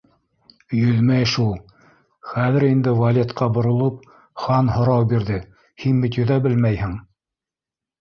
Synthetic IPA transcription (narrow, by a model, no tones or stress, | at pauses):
jɵðmæjʃulˠ | χæðɘ̆ɾind̪ɘvɐlʲet̪qɑbŏɾŏlˠɤp̚ | χɑnhŏɾɑwbiɾðɘ | hinmɘt̪jɵ̆ðæbɘlmæjhɘŋ